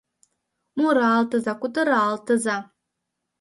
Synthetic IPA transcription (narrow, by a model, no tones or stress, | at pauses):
muɾaːltʰɨzakʷʊtʰʼɨɾaːltʰɨza